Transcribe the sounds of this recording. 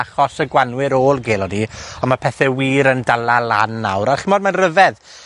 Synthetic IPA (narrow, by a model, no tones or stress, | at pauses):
aχɔsəɡwanwɪɾoːlˠɡeːlˠɔdiɔnmapʰɛθɛwiːɾəndalalˠa̰nːa̰wɾarχɪmɔdmanrəvɛð